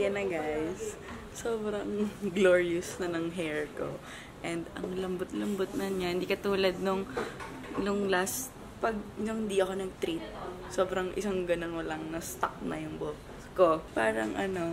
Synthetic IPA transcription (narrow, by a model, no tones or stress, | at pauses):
jɐnɐɡajs | soːbɾɐŋɡloːɹiʊsnɐnɐŋɦɛɹko̞̰ | ʔɛnd̪ɐ̰ŋlɐmbot̪̚lɐmbot̪̚nɐɲahɪnd̪iːkɐt̪uːlɐd̪̚nʊŋ | lʊŋlɐs | pɐɡ̚nʊŋhɪnd̪iʔɐko̞nɐŋt̪ɾit̪̚ | soːbɾɐŋʔɪsaŋɡɐno̞nwɐlɐŋnɐst̪ak̚nɐ̰jʊŋbok | skopaːɾɐŋʔɐno̞